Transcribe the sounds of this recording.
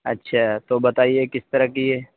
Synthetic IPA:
ɐ̰tːʃʰat̪obɐt̪aːiekɪst̪ɐɾəkieː

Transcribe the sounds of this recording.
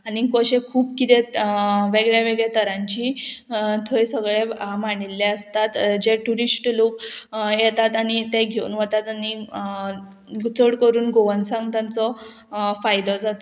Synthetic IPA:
anikɔɕekʰuːbkit̪eʋeɡɭjeʋeɡɭet̪əɾãɲt͡ɕiː | t̪ʰojsəɡɭemaɳilːeəst̪at̪d͡ʑeʈuɾisʈlokjɛt̪at̪aɽ̃it̪eɡʱeṵnʋət̪at̪ani | ɡut͡səɽkəɾuːnɡoʋənsãŋɡt̪jãnt͡sɔ | fajd̪ɔd͡zat̪ɔ

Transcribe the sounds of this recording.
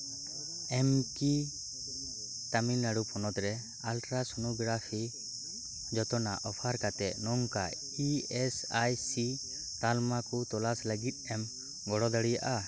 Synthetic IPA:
ɛmki | t̪aminaɽupʰɔnɔt̪ɾɛ | alʈɾasɔnuɡɾapʰi | d͡ʒɔt̪ɔna̰ʔɔpʰaɾkat̪ɛʔnɔŋka | iɛsajsi | t̪almakut̪ɔlasləɡit̪̚ˀɛm | ɡɔɽɔd̪aɽijaʔa

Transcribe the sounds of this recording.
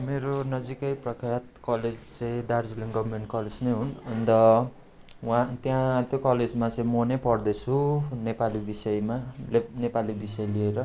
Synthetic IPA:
meɾonʌd͡zikʌjprʌkʰjat̪̚kʌled͡zt͡sʌĩd̪ard͡ziliŋɡʌbʱmeɳʈkʌled͡znejɦunʌnd̪ʌ | wãt̪jãt̪jokʌled͡zmat͡sʌĩmonepʌrd̪ʌt͡sʰunepalibisʌjmalenepalibisʌjlieɾʌ

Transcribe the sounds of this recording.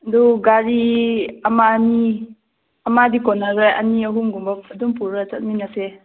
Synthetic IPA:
duɡaɾiɐmani | ɐmadikɔnaɾɯjʔɐ̰niɐɦumɡumbap̚ɐdumpuɾat͡ʃɐt̚minase

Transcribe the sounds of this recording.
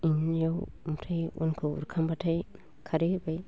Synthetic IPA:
iɲjawmtʰajṵnkʰɯṵɾkʰambatʰaj | kʰaɾibaj

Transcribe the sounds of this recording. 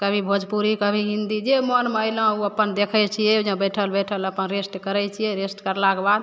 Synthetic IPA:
kəbʱibʱod͡ʒpuɾikəbʱiɦĩnd̪id͡ʒemənmeəjlə̃uəpənd̪ekʰət͡ʃʰijɛud͡ʒẽbəʈʰəlbəʈʰələpənɾesʈkəɾɛt͡ʃʰijɛɾesʈkəɾlakebad̪

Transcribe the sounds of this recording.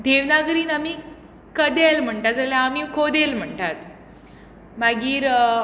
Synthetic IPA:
d̪ʱeʋnaɡɾiːnamiː | kəd̪elm̤əɳʈat̪d͡zaljãːmiːkʰod̪elm̤əɳʈat̪ | maɡiːɾ

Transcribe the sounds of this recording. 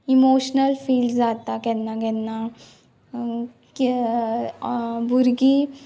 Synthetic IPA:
imoɕnəlfiːlɖd͡zat̪akɛnːaɡɛnːa | k | bʱuɾɡi

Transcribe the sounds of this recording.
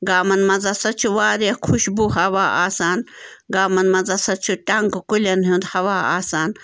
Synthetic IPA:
ɡaːmɐnmɐzɐsɐt͡ʃʰuwaːɾɐkʰuʃbuɦɐwaːaːsaːn | ɡaːmɐnmɐzɐsɐt͡ʃʰuʈɐŋkkulʲɐnɦũnd̪hɐwaːa̰ːsaːn

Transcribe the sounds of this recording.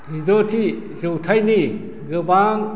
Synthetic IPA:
idotʰi | zɯwtʰajni | ɡɯbaŋ

